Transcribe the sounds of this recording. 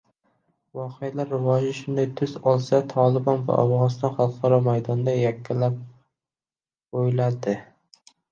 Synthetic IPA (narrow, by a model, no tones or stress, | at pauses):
vɒqʰejalaɾːɪvɒd͡ʒɪʃʊnd̪ajt̪ʰʊzɒlˠsat̪ʰɒlɪbɒnva̰ʔawʁɑnɪst̪ɒnχɑlˠqʰɑɾɒmajd̪ɒnd̪ajakʲʰːalap̚ | ojlad̪ɪ